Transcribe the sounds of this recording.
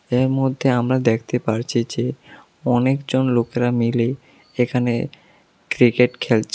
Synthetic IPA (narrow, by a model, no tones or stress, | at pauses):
eɾmɔd̪ʱːeamɾad̪ek̚ʰt̪epaɾt͡ɕʰid͡ʑe | ɔnekd͡ʑonlokeɾamile | ekʰanḛ | kɾikeʈkʰelt͡ɕʰ